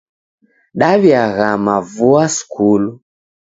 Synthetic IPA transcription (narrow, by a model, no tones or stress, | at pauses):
ɗaβjaɣamavuaskʰulu